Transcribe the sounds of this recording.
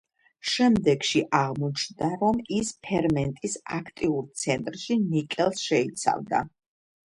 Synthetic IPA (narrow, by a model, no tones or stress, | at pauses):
ʃɛmd̪ɛɡʃiʔaʁmɔt͡ʃʰnd̪aɾɔmispʰɛɾmɛnt̪ʼisakʰt̪ʼiuɾt̪sʰɛnt̪ʼɾʃinikʼɛlˠsʃɛit̪sʰa̰vd̪a̰